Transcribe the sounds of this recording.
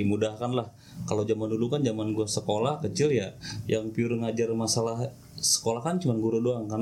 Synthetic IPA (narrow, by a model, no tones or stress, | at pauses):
imudahkanlah | kalawd͡ʒamanulukand͡ʒamanɡuasəkolahkət͡ʃɪljajaŋpiʊrŋad͡ʒarmasalah | sə̥kolahkant͡ʃumanɡuɾudoaŋkar